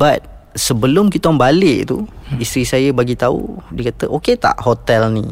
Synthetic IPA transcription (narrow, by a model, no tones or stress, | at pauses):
bat̪̚ | səbəlʊmkit̪ɔmbalɪʔt̪uist̪ɾisajəbaɡit̪aṵdiəkat̪əʔoket̪a̰ʔhot̪ɛlni